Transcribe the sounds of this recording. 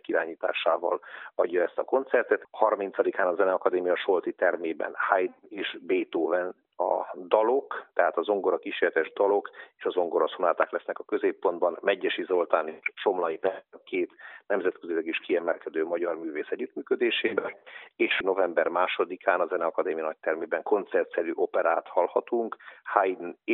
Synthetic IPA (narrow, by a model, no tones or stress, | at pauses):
kiɾaːɲiːt̪a̰ːʃaːvɒ̰lɒɟːɒɛst̪ɒko̞nt̪sɛrt̪ɛt̪hɒrmint̪sɒd̪ikaːnɒzɛnɛɒkɒd̪eːmijɒʃo̞lt̪it̪ɛrmeːbɛ̰nhajd̪eːʃbeːt̪oːvɛn | ɒ̰d̪ɒlo̞kt̪ɛɦaːt̪ɒzo̞ŋɡo̞ɾɒkiʃeːlt̪ɛʒd̪ɒlo̞keːʃɒzo̞ŋɡo̞ɾɒsunaːt̪aːklɛsnɛkɒkø̞zeːpːo̞nd̪bɒnmɛɟːɛʃizo̞lt̪aːneʃt͡ʃo̞mlɒjipɛkeːt̪nɛmzɛt̪køzilɛɡiʃkiɛmɛlkɛd̪øːmɒɟɒrmyːveːsɛɟːyt̪myːkød̪eːʃeːbɛleːʃno̞vɛmbɛrmaːʃo̞d̪ikʰaːnɒzɛnɛɒkɒd̪eːmijɒnɒc̚t̪ɛrmeːbɛŋko̞nt̪sɛrt̪sɛɾyʔo̞pɛɾa̰ːt̪hɒlhɒt̪uŋkhajd̪n